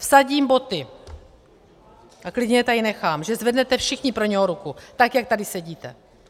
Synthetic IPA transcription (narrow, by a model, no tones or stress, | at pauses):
fsaɟiːmbo̞t̪ɪ | ʔaklɪdɲɛjɛt̪ajɪnɛxaːmʒɛzvɛdnɛt̪ɛfʃɪxɲɪpɾo̞ɲɛɦoɾukut̪akjak̚t̪adɪsɛɟiːt̪ɛ̰